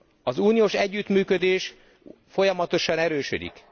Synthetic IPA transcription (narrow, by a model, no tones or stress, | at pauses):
ɒzuːnijoːʃɛɟːyt̪myːkød̪eːʃ | fo̞jɒmɒt̪o̞ʃɒnɛɾøːʃø̰d̪ḭk